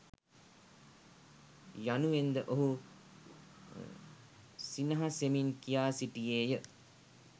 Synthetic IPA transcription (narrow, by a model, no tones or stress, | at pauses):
januʋend̪əʔoɦu | sinəɦaseminkijaːsiʈijeːjə